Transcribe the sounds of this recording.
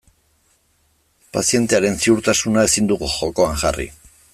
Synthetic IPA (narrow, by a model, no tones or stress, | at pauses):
pasie̞nt̪e̞aɾe̞nsiuɾt̪asunae̞sind̪uɣuʝo̞ko̞aŋʝarḭ